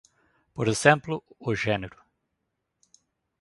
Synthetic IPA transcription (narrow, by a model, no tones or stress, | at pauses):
poɾezẽmplʊːʒeneɾʊ